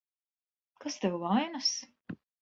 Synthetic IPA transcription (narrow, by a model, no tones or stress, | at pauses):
kast̪ɛwlˠajnas